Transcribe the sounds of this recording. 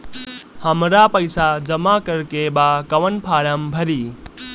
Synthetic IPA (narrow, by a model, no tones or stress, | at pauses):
həmɾapəɪsad͡ʒəmakəɾkebakəʋənpʰaɽəmbʱəɾi